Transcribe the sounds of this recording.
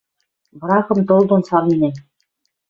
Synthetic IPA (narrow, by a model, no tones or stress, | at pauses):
b̆ɾɑχɤ̆mt̪ŏlˠd̪ŏnsɑɾinʲenʲ